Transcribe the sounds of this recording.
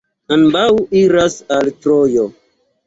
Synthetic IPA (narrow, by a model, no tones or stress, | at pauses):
anbawiɾasaltɾojo